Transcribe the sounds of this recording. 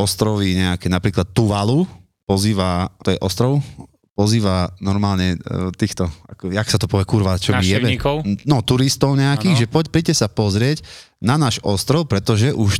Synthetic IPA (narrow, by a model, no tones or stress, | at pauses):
ɔst̪ɾɔʋiɲɛakɛnapɾiːklat̪ːuʋalu | pɔziːʋat̪ɔjɛʔɔst̪ɾɔʊ | pɔziːʋanɔɾmaːlɲɛt̪iːxt̪ɔa̰kɔaksat̪ɔpɔʋɛkuɾʋat͡ʃɔmijɛbɛkɔʊnɔt̪uɾist̪ɔʊɲɛakiːɣʒɛpɔpɾicɛsapɔzɾɪɛc | nanaːʒɔst̪ɾɔʊpɾɛt̪ɔʒɛʔuʃ